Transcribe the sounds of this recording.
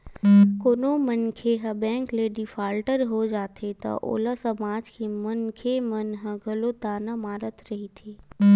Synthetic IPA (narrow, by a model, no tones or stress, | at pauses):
koːnomənkʰeɦɐbɛ̃ːŋkleɖifaːlʈəɾɦod͡ʒaːt̪et̪a̰ʔo̰ːlasəmaːd͡ʒkimɐnkʰemɐnɦɐ̃ɡʱɐlot̪aːnamaːɾət̪ɾɐɦit̪ʰeː